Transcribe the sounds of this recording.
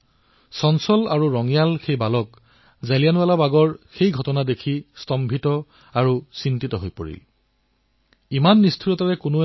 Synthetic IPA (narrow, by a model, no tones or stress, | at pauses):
sɔnsɔlaɹuɹɔŋjalxejbalɔk | zalijanualabaɡɔɹxejɡʱɔtɔnadekʰistɔmbʱitɔ | aɹusintitɔɦojpo̰ɹḭl | imanːistʰiɹɔtaɹɛkʊno